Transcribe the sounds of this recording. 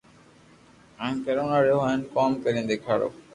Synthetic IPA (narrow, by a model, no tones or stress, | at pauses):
amkɛɾonaɾeɦɔenkɔmkɛɾend̪ekʰaɾo̰